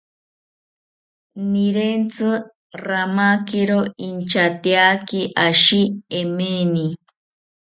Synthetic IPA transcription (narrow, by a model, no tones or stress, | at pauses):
niɾent͡sɨ | ramakiɾoint͡ʃat̪iakiʔaʃiemeni